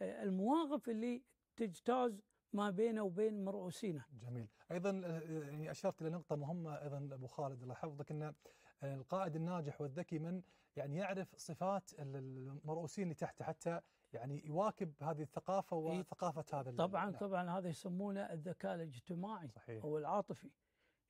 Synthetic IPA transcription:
ɪlmawɑːɣɪfʔɪlːi | t̪ɪd͡ʒt̪aːz | mabeːnawbeːnmɑɾˤʔuːsiːnad͡ʒamiːlʔɑjðˤɑnaʕniʔaʃɑɾˤt̪ʔɪlanʊq̚t̪ˤɑmʊɦhɪmːaʔɑjðˤɑnabuːxaːlɪd̪ɪlaħɑfðˤɪkʔɪnːalqɑːʔɪd̪ɪnːaːd͡ʒɪħwɪðːakimɪn | jaʕnijaʕɾɪfsˤɨfaːt̪ɪmɑɾˤʔuːsiːnliːt̪aħt̪aħat̪ʰːa | jaʕnijwaːkɪbhaːðihθːaqɑːfawɪθaqɑːfahaːðalt̪ˤɑbʕɑnt̪ˤɑbʕɑnhaːðajsamːuːnaʔɪðːakaːʔlɪd͡ʒt̪ɪmaːʕiˤɑħiːʔawɪlʕɑːt̪ˤɨfi

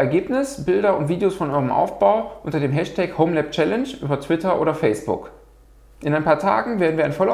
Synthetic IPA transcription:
ɛɐɡeːpnɪsb̥ɪldɐʊntv̥iːdeoːsfɔnʔɔʁəmʔa̰ʊfb̥aʊʔʊntɐdeːmɦɛʃtʰɛkhoʊmlɛp̚t͡ʃɛlɛnʃʔy̰ːbɐtʰv̥ɪtɐʔo̰ːɾɐfɛɪsb̥ʊ̰k | ʔɪnaɪnpʰaːɐtʰa̰ːɡŋ̩veːɐdn̩viːɐaɪnfɔlɐ

